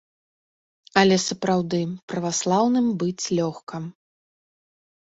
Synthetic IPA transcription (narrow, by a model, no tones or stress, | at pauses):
ɐlʲɛsɐpɾawd̪ɨpɾɐvaslˠawnɨmbɨt͡sʲlʲɔxkɐm